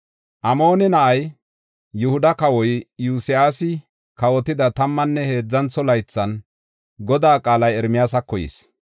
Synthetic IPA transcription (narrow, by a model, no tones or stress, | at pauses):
ʔɐmo̞ːnɛnɐʔɐj | jʊhʊd̪ɐkɐwɔjjuːsɪjaːsɪ | kɐwɔt̪ɪd̪ɐt̪ɐmːɐnːɛhe̞ːd͡zːɐnt͡sːɔlɐjt͡sːɐn | ɡɔd̪aːkʼaːlɐjɛɾmɪjaːsɐkːɔjɪ̰s